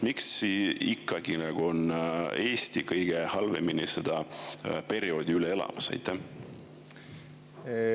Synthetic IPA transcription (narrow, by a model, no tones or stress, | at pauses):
miksiikˑːɑɡ̥inɑɡ̥uo̞ne̞ːst̪ikɤjɡ̥e̞hɑlve̞minise̞d̪̥ɑpe̞ɾio̞ːd̪iylee̞lɑ̰mɑsɑ̰jt̪ˑːæh